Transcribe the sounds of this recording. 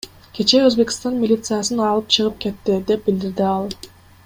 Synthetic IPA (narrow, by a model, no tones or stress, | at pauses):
kʲʰe̞t͡ʃe̞øzbe̞kʲi̥st̪ɑnmʲilʲit̪sɨjasɯnɑlˠɯp̚t͡ʃʰɯʁɯp̚ke̞t̪ːid̪e̞p̚bild̪iɾd̪iɑlˠ